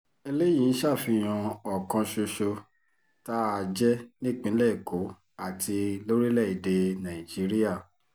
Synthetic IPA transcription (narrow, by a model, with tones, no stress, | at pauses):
e˧le˦j̃ĩ˨˦ʃa˦˨fi˧j̃ã˧ɔ˨kã˧ʃo˧ʃo˧ | ta˦a˧˨d͡ʒɛ˦nĩ˦˨k͡pĩ˨˦lɛ˦˨i˨ko˨˦ | a˦˨ti˧lo˦ɾi˦lɛ˦˨i˨de˧nã˨ĩ˨d͡ʒi˨˦ɾi˦a˦˨